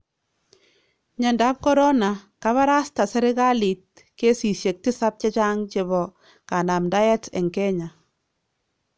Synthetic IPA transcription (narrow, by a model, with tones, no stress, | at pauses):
ɲɛ˨nda˦p̚kɔ˦ɾɔ˦na˨ka˦βa˦ɾa˦sta˨sɛ˦ɾɪ˦ka˦li˨t̚ | ke˦si˨sje˨k̚tɪ˦sa˦p̚t͡ʃa˦t͡ʃa˦ŋt͡ʃe˨βɔ˨ | ka˨na˨mda˦jɛ˦tɛ̰˨ŋkɛ˦ɲa˨